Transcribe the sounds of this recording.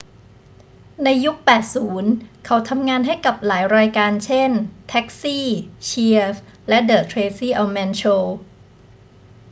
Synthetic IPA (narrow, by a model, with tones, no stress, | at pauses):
na˧jːu˦˥k̚pɛː˨˩t̪̚suː˩˦nkʰa˩˦wt̪ʰa˧mŋaː˧nɦa˥˩jka˨˩p̚laː˩˦jɾaː˧jkaː˧nt͡ɕʰe˥˩nt̪ʰɛ˦˥k̚siː˥˩t͡ɕʰi˧əflɛ˦˥dɤː˨˩t̪ʰɾeː˧siː˥˩ʔa˧mɛː˧nt͡ɕʰoː˧